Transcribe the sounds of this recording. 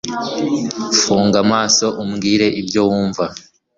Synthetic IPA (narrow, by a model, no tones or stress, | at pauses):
fuːŋɡamaːso̞ʔumɡiːɾe̞ʔibjowuːɱva